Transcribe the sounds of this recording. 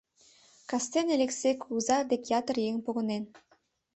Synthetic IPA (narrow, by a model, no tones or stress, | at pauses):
kɑst̪enelʲeksekuzɑrd̪ekjɑt̪ərjeŋpoɣɤ̆nen